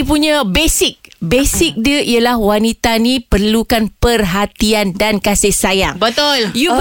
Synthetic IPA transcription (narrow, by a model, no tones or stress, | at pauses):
ipuɲãbesɪk̚besɪk̚diəʔijalahwanĩt̪anĩpərlukanpərɦat̪iandankasɪhsajaŋbət̪ʊlju